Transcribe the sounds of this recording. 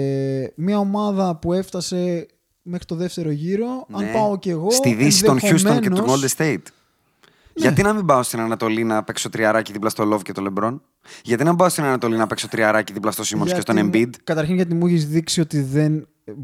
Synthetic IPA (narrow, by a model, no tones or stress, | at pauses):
mɲɐomɐðɐpue̞ft̪ɐse̞ | mexɾit̪oðe̞ft̪e̞ɾo̞ʝiɾo̞ɐnpɐoce̞ɣo̞st̪iðisiðt̪onçust̪onncet̪uold̪est̪eit̪ | nʝɐinɐmimbɐost̪inɐnɐt̪o̞linɐpe̞kso̞t̪ɾiɐɾɐciðiplɐst̪olo̞vcet̪ole̞bɾo̞n | ʝɐt̪inɐmĩbɐost̪inɐnɐt̪o̞linɐpekso̞t̪ɾiɐɾɐciðiplɐst̪o̞simonscest̪onembid̪kɐt̪ɐɾçinʝɐt̪̬imuçezðiksio̞t̪iðe̞n